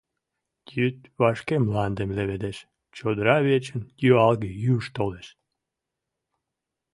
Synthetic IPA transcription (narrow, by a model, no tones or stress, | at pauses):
jyt̪βɑʃkemlɑnd̪emleβed̪eʃ | t͡ɕod̪əɾɑβet͡ɕənjøɑlɣejyʃt̪oleʃ